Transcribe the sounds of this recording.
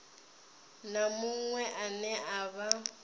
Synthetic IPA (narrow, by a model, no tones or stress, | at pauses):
namʊŋwɛʔanɛʔaβa